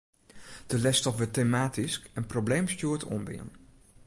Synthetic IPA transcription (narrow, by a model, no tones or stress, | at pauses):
d̥əlɛstɔpʋɪtemaːtiskɛnproblejmstjuətʰo̰mbɪ̰ə̰n